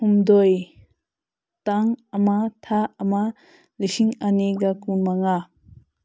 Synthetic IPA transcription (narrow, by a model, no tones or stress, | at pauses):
humdoj | taŋamatʰaːma | lisiŋaneɡakunmaŋa